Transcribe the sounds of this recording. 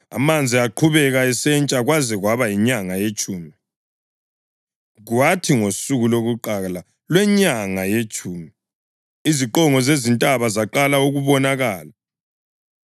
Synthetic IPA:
a̰mand͡zʱiaǃʰuβɛɣaɛsɛnt͡ʃʼaɣwazɛɣwaβajiɲaŋajet͡ʃʼuːmi | ɣwatʰiŋosuɣuloɣuǃala | lwɛɲaŋajet͡ʃʼuːmi | iziǃɔŋɔzezintʼaβazaǃalauɣuβɔnaɣaːla

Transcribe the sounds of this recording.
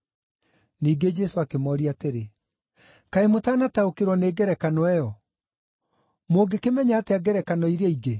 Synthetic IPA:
niːɡed͡ʒɛsoakemɔːɾiateɾe | kaemotaːnataokeɾwɔneːɡɛɾɛkanɔɛjɔ | moɡekemɛɲaːteaɡɛɾɛkanɔiɾeiɡe

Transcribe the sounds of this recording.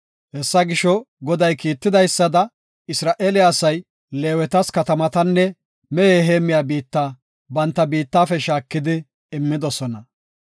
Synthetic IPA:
hɛsːɐɡɪʃɔ | ɡɔd̪ɐjkiːt̪ːɪd̪ɐjsːɐd̪ɐ | ɪsɾaːʔeːlɪjaːsɐj | le̞ːwɛt̪ɐskɐt̪ɐmɐt̪ɐnːɛ | mɛjeːɦeːmːɪjaːbiːt̪ːaː | bɐnt̪ːɐbiːt̪ːaːfɛʃaːkːɪd̪ɪ | ɪmːɪd̪ɔsɔnɐ

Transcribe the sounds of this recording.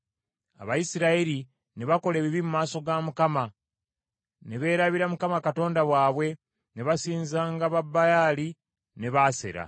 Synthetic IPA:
a̰βajisiɾaeɾi | ne̞βako̞le̞ːβiβimumaːso̞ɡamukama | ne̞βe̞ːɾaβiɾamukamakato̞ːndaβwaːβwe̞ | ne̞βasiːnzaːŋɡaβabːajali | ne̞βase̞̰ɾa̰

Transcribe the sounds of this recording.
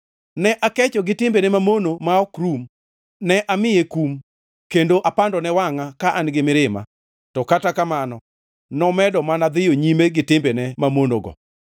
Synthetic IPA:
nɛʔakɛt͡ʃɔɡɪtɪmbenɛmamonomaɔkɾum | nɛʔamɪjekum | kendoʔapandɔnɛwaŋakaʔanɡɪmɪɾɪma̰ | tɔkatakamanɔ | nɔmɛdɔmanad̪ɪjoɲimeɡɪtɪmbenɛmamonoɡɔ̰

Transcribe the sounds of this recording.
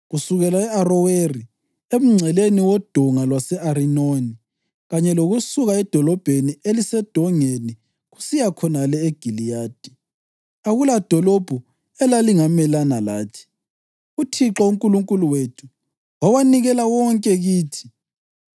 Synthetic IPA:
ɣusuɣɛlaɛarɔweri | em̩ŋ͡ǀʱɛleniwɔd̥ʱɔŋalwasɛʔaɾinoni | ɣaɲɛloɣusuɣaɛd̥ʱɔlɔb̥ʱenielisɛd̥ʱɔŋeni | ɣusijakʰɔnalɛeɡ̥ʱilijaːd̥ʱi | aɣulad̥ʱɔlɔb̥ʱu | ɛlaliŋamɛlanalaːtʰi̥ | utʰiǁauŋkʼuluŋkʼuluwetʰu̥ | wawaniɣɛlawɔŋkʼɛɣiːtʰi̥

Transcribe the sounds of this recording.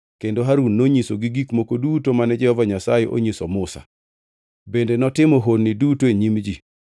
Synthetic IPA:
kendoɦaɾunːoɲisoɡiɡikmokodutomanɛd͡ʒɛhɔvaɲasajeʔo̰ɲisomʊsa̰ | bendenɔtɪmɔɦodnɪdutoeɲimd͡ʒi

